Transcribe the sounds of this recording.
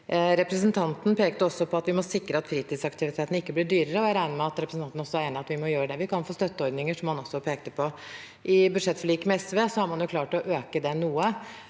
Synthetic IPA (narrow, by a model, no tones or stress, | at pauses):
ɾɛpɾəsnt̪ʰɑnt̪n̩pʰeːkt̪əɔsːɔpʰɔɑt̪ʋɪmɔsɪkɾəɑt̪fɾiːt̪ɪːd̪sɑkt̪ʰɪʋɪt̪ʰeːt̪ənɪkːəblɪɖyːɾəɾəɔæɾæɪnəmɛɑt̪ɾɛpɾəsn̩ɑnnɔsːɔæɾeːnɪɑt̪ʋɪmɔjøːɾəɖ̪ɛʋɪkʰɑnfoːst̪œt̪ːəɔɾd̪nɪŋəʂɔmhɑnɔsːɔpʰeːkt̪əpʰɔ | ʔɪbʉd̪ʂɛt̪ːfɔɭiːkmɛɛsʋeːsɔhɑɾmɑnjʊkʰlɑːʈɔʔøːkəd̪ɛnuːə